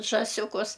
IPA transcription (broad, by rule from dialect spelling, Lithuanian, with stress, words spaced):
ʒɑːˈsʲʊkʊs